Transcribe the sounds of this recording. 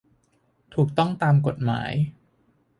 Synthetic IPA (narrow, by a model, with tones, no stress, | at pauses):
t̪ʰuː˨˩k̚t̪ɔ˥˩ŋt̪aː˧mko˨˩t̪̚ma̰ː˩˦j